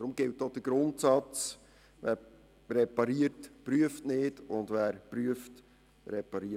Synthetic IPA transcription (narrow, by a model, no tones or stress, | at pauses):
dɾʊmɡ̥ɪltdod̥əɡ̥ɾʊntsɑt͡s | ʋæːɾ | rɛpɑɾiəɾtpɾyəftnɪːdʊndʋæːɾpryəft | ɾɛpɑɾi